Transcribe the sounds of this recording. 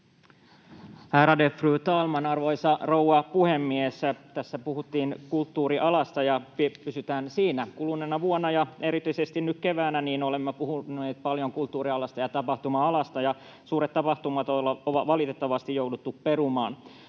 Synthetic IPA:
hæːɾɑdefryːt̪ɑːlmɑnɑrʋoisɑrouɑpuhemːiest̪æsːæpuhut̪ːiːnkult̪ːuːɾiʔɑlɑst̪ɑjɑppysyt̪æːnsiːnækulunːenːɑʋuonːɑjɑe̞ɾit̪yisest̪innykkeʋæːnæniːnolemːepuhunːeːt̪̚pɑljoŋkult̪ːuːɾiɑlɑst̪ɑjɑt̪ɑpɑht̪umɑɑlɑst̪ɑjɑ | suːɾet̪tɑpɑht̪umɑt̪olːɑoʋɑʋɑlit̪et̪ːɑʋɑst̪ijjoudut̪ːupperumɑːn

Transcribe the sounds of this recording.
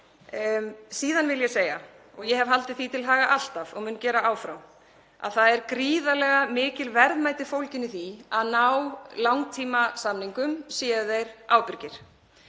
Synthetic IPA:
siːðanvɪljɛseːja | ɔɣjɛɦɛvɦalt̪ɪθit̪ʰɪlɦaːɣaʔal̥t̪avɔɣmʏncɛːɾaʔaːwfɾaw | a̰ðθaðɛɾkɾiːðalɛɣamɪːcɪlvɛɾðmaːjt̪ɪfowlcɪnːɪθiaðnawlawŋt̪ʰiːmasamniŋkʏmsjɛːʏðejɾaːwpɪɾcɪɾ̥

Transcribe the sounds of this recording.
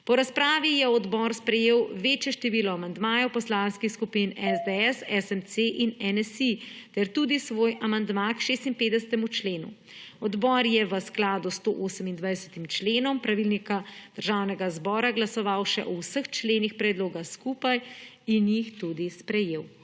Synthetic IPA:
pɔɾaspɾaːʋijɛɔd̪bɔɾspɾɛjeːwʋeːt͡ʃjɛʃt̪ɛʋiːlɔamand̪maːjɔwpɔslaːnskixskupinɛzd̪eɛsɛsɛmseʔinɛnɛsit̪ɛɾt̪ud̪isʋoːjamand̪makʃeːst̪impeːd̪ɛsɛt̪ɛmut͡ʃleːnṵ | ɔd̪bɔɾjɛʋəsklaːd̪ust̪oʔoːsəmind̪ʋajsɛ̥t̪imt͡ʃleːnɔmpɾaʋilnikad̪̥əɾʒaːwnɛɡazbɔːɾaɡlasɔʋawʃɛ̰ʔɔwsəxt͡ʃleːnixpɾɛd̪loːɡaxskuːpaj | injixt̪ud̪ispɾɛjeːw

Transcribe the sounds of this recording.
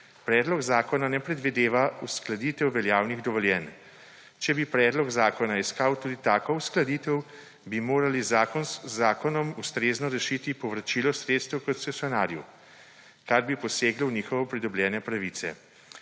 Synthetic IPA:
pɾɛːd̪lɔɡzaːkɔnanɛpɾɛd̪ʋid̪eːʋausklad̪it̪ɛwʋɛljaːwniɣd̪ɔʋɔljɛn | t͡ʃɛbipɾɛːd̪lɔɡzaːkɔnaiskaːwt̪uːd̪it̪aːkɔusklad̪it̪ɛw | bimoːɾalizaːkɔnsːaːkɔnɔmust̪ɾeːznɔɾɛʃiːt̪ipɔʋɾat͡ʃilɔsɾeːt̪st̪ɛwkɔt̪sɛsʲjɔnaːɾju | kaɾbipɔseːɡlɔwniːxɔʋɛpɾid̪ɔblʲjɛːnɛpɾaʋit̪sɛ̰

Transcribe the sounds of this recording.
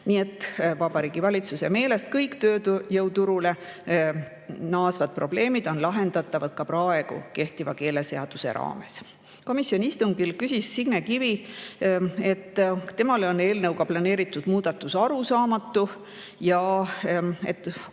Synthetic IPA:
nie̞t̪ːˑvɑb̥ɑɾiːɡ̥ivɑlʲit̪suse̞me̞ːle̞st̪kɤjkt̪øːt̪jɤwt̪uɾule̞ | nɑːsvɑd̪̥̚pro̞ble̞ːmid̪̥o̞nlɑɦe̞nd̪̥ɑt̪ːˑɑvɑd̪̥̚kɑpɾɑe̞ɡ̥ṵke̞ht̪ivɑke̞ːle̞se̞ɑd̪̥use̞̰ɾɑ̰ːme̞̰s | ko̞misjo̞nʲiist̪uŋɡ̥ilkysʲisːiɡ̥nekivi | e̞t̪ːˑt̪ːe̞mɑleo̞ne̞ːlnɤwkɑplɑne̞ːɾit̪ːˑud̪̥muːd̪̥ɑt̪ːˑusɑɾusɑːmɑt̪ːˑu | jɑ | e̞̰t̪ːˑ

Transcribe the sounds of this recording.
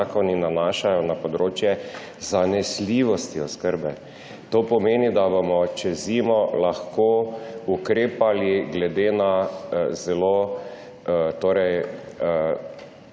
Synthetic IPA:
kɔninanaːʃajɔnapɔd̪ɾoːt͡ʃjɛ | zanɛsliʋɔst̪iɔskəɾbɛ | t̪oːpɔmeːnid̪abomɔt͡ʃɛzimɔlaxkoukɾeːpaliɡlɛd̪eːnazɛloː | t̪oːɾɛj

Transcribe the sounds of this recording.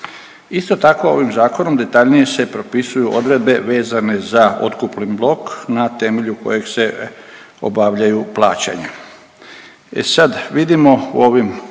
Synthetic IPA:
ist̪o̞t̪ako̞o̞̰ʋimzaːko̞no̞md̪e̞t̪aʎnije̞se̞pɾo̞pisujuʔo̞d̪ɾe̞d̪̚be̞ʋe̞ːzane̞zao̰t̪kuplinblˠo̞knat̪e̞me̞ʎuko̞̰je̞ɡse̞ | o̞̰baːʋʎajuplˠaːt͡ɕa̰ɲa | ḛsad̪ʋid̪imo̞ṵo̞ʋim

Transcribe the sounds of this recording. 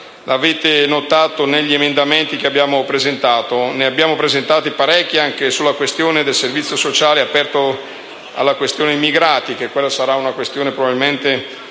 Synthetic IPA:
ʔaveːt̪enot̪aːt̪oneʎːiemend̪ament̪ikeabːjaːmopɾezent̪aːt̪oneabːjaːmopɾezent̪aːt̪ipaɾɛkːiaŋkesulːakwest̪joːned̪elservit̪sjosot͡ʃaːleapɛrt̪o | a̰lːakwest̪joːneimiɡɾaːt̪ik̟ekːwelːasaɾaunakwest̪joːnepɾobabilment̪e

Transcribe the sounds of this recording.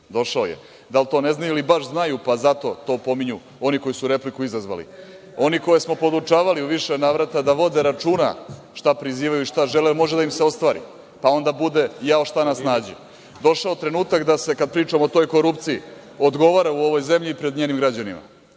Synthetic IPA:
d̪o̞ʃao̰jḛ | d̪alt̪o̞ːne̞znajuilibaʃznajupazat̪o̞̰t̪o̞ːpo̞miɲu | o̞niko̞jisuɾe̞plikuizazʋa̰lḭ | o̞niko̞jesmo̞po̞d̪ut͡ʃaːʋaliuʋiʃenaːʋɾat̪ad̪aʋo̞d̪eɾat͡ʃuna̰ | ʃt̪apɾiziːʋajuiʃt̪aʒelemo̞ʒed̪aimseo̞st̪ʋaːɾḭ | pao̞nd̪abud̪e̞jaoʃt̪anasnaːd͡ʑi | d̪o̞ʃaot̪ɾe̞nuːt̪akd̪ase̞kad̪̚pɾiːt͡ʂamoot̪o̞jko̞ɾupt̪sii | o̞d̪ɡo̞ʋaɾauo̞ʋo̞jzemʎipɾe̞d̪ɲeːnimɡɾad͡ʑanḭma̰

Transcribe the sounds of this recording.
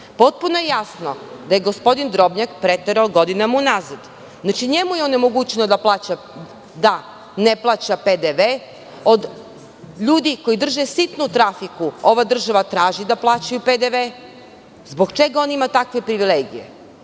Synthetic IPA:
po̞t̪̚punojejasno̞d̪aje̞ɡo̞spo̞d̪ind̪ɾo̞bɲakpɾet̪eɾaoɡo̞d̪inamaunazad̪ | nat͡ʃiɲe̞mujeone̞mo̞ɡut͡ɕenod̪aplˠat͡ɕa | d̪a | neplˠat͡ɕaped̪eʋe | o̞d̪ | ʎuːd̪iko̞jid̪r̩ʒesit̪nut̪ɾafikuo̞ʋad̪r̩ʒaʋat̪ɾaːʒid̪aplˠaːt͡ɕajuped̪eʋe | zbo̞ɡt͡ʃeɡao̞nimat̪akʋe̞pɾiʋileɡije̞̰

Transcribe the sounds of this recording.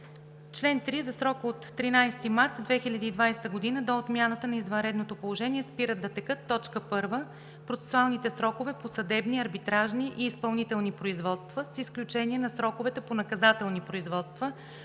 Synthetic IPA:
t͡ʃlɛnt̪ɾizɐsɾɔkot̪ːɾinajst̪imaɾt̪d̪vɛxilʲɐd̪iːd̪vajst̪əɡod̪inəd̪oːt̪mʲjanət̪ənɐizvɐnɾɛd̪not̪opolˠoʒɛniɛspiɾət̪ːɐt̪ɛkɤt̪ːɔt͡ʃkəpɤɾvə | pɾot̪sɛ̥sualˠnit̪ɛsɾɔkovɛposɐd̪ɛbniɐɾbit̪ɾaʒniʔiːspɐlˠnit̪ɛlˠnipɾoizvɔt̪st̪vəsisklʲut͡ʃɛniɛnɐsɾɔkovɛt̪ɛponɐkɐzat̪ɛlˠnipɾoizvɔt̪st̪və

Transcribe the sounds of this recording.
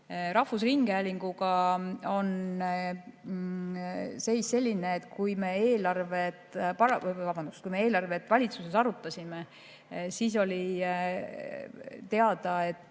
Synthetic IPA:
ɾɑhfusriŋɡ̥eæːlʲiŋɡ̥uɡ̥ɑo̞n | se̞jsse̞lʲːineːt̪kujme̞eːlɑrve̞t̪pɑlvɑbɑnd̪̥uskujme̞e̞ːlɑrve̞t̪ːˑvɑlʲit̪suse̞sɑɾut̪ːˑɑsʲime | siːs̬o̞lʲi | t̪e̞ɑd̪ɑe̞t̪ːˑ

